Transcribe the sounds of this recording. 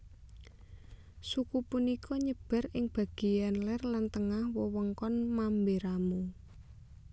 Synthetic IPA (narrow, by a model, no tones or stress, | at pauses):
sukupunikʰɔɲəb̥a̤rɪŋb̥a̤ɡ̥i̤janlɛrlant̪əŋahwɔwɔŋkɔnmambeɾamu